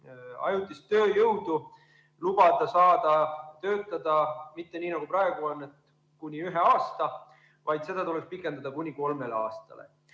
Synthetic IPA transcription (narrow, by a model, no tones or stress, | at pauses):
ɑ̰jut̪ːˑist̪ø̞ːjɤwd̪u | lub̥ɑd̪̥ɑsɑːd̪̥ɑt̪ø̞ːt̪ːˑɑd̪̥ɑmit̪ːe̞niːnɑɡ̥uprɑe̞ɡ̥uo̞nːet̪ | kunʲiyɦe̞ɑːst̪ɑ | vɑjd̪̥se̞d̪̥ɑt̪ulekspikːˑe̞nd̪ɑd̪̥ɑkunʲiko̞lme̞leɑːst̪ɑ̰lḛ